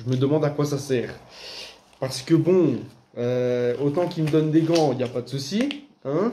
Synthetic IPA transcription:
ʒəməd̪əmɑ̃d̪akwasasɛːʁ | paʁsə̥kəbɔ̃ | øot̪ɑ̃kiməd̪ɔnd̪eɡɑ̃iljapad̪əsusi | ɛ̃

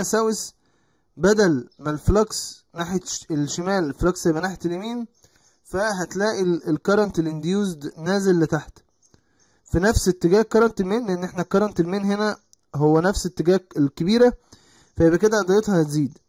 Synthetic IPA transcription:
ʔæsæwes | bæd̪ælmælflɑksnaħeelʃemæːlelflɑksebʔænaħet̪elʔemiːn | fæɦæt̪læːʔielkɑɾˤɑnt̪elʔend̪juːzd̪næːzelːet̪aħt̪ | finæfset̪ːeɡæːhkɑɾˤɑnt̪elmeːnleʔenːʔeħnækɑɾˤɑnt̪elmeːnɦenæ | ɦowːænæfset̪ːeɡæːɡelkebiːɾæ | fæʔebʔæked̪æʔæd̪ˤɑjet̪hɑhæt̪ziːd̪

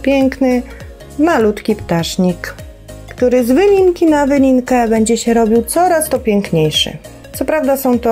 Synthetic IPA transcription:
pʲjɛŋknɘ | malut̪kʲipt̪aʂɲikː | t̪uɾɘzvɘlʲiŋkʲinavɘlʲiŋkɛbɛɲd͡ʑɛɕɛɾɔbʲiwt̪sɔɾast̪ɔpʲjɛŋkɲejʂɘ̰ | t̪sɔpɾavd̪asɔ̃w̃t̪ɔ

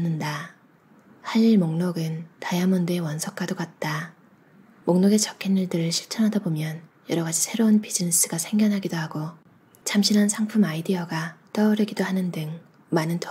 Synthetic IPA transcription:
nɯnda | haʎːimoŋnoɡɯntajamʌndeewʌnsʰʌk͈adoɡat̚t͈a | moŋnoɡe̞t͡ɕʌkʰenːɯɭdɯɾɯɭɕʰiɭt͡ɕʰʌnɦadʌbomjʌnjʌɾʌɡad͡ʑisʰe̞ɾounpʰid͡ʑinis͈ɯɡasʰe̞ŋɡjʌnɦaɡidoɦaɡo | t͡ɕʰamɕʰinɦansʰaŋpʰumaidiʌɡat͈ʌːɾɯɡidohanɯndɯŋ | manɯntʰ

